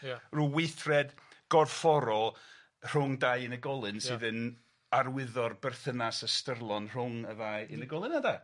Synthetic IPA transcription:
ruːwɪjθrɛdɡ̥ɔrfɔɾɔ | r̥ʊŋdajɨnəɡɔlˠɨnsɨːðən | arwɪðɔrbɛrθənasəstərlˠɔnr̥ʊŋəðajɨnəɡɔlˠɨnada

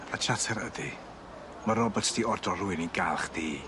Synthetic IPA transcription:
at͡ʃʰatʰɛɾədi | maɾɔbɔtʰd̥iɔrdɔrʊɨninɡalˠχd̥iː

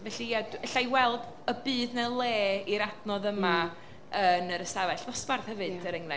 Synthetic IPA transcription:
vɛɬijadəɬajwɛlˠd | əbɨːðnɛlˠeːiɾadnɔðəma | ənəɾəsavɛɬvɔspbarθhɛvɨd̥əɾəŋlɛ

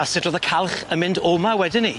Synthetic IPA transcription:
asɪdroːðəkʰalˠχəmɪndomawɛdɪni

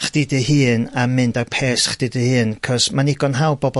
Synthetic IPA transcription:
χd̥ɨdɨɦɨːnamɨndapʰeːsχd̥idɨhɨːnkʰɔsmanɪɡɔnɦawbɔbɔ

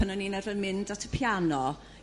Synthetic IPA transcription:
ənɔninɛrvənmɪndatʰəpʰjanɔ

